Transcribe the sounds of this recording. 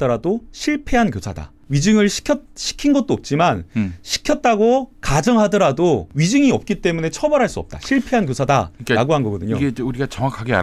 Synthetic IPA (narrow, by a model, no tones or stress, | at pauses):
tʌɾadoɕʰiɭpʰe̞ɦankjosʰada̰ | ɥid͡ʑɯŋɯɭɕʰi̥kʰjʌt̚ɕʰi̥kʰinɡʌt̚t͈oʌp̚t͡ɕ͈imanɕʰi̥kʰjʌt̚t͈aɡokad͡ʑʌŋɦadʌɾadoɥid͡ʑɯŋiʌp̚k͈it͈e̞mune̞t͡ɕʰʌbʌɾɦaɭs͈uʌp̚t͈a̰ɕɕʰiɭpʰe̞ɦankjosʰada̰ɾaɡoɦanɡʌɡʌdɯɲoɡeuɾiɡat͡ɕʌŋwakʰaɡea̰